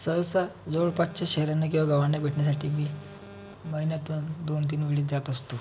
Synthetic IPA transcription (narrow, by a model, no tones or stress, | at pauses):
səwsad͡zoɭpatt͡ɕaɕɛɦɾanːak̬ĩw̃ʋaɡaʋaɳjabʱeʈɳjas̬aʈʰiːmiː | məɦinjat̪ond̪ont̪̬iːnʋeɭiːd͡zat̪əst̪o